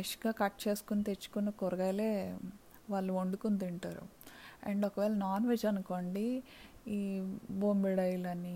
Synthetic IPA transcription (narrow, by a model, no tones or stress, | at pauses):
ʋiʂɡaːkɐʈːt͡ʃe̞ːsu̥kunit̪e̞t͡ʃːu̥kunːɐkoɾɐɡɐjle̞ː | ʋaːɭːuoɳɖukunt̪iɳʈaːɾṵɐ̰ɳɖɔkɐʋɛːlɐnaːnʋed͡ʒɐnuko̞ːɳɖi | iːboːmbiɽɐjlɐnːi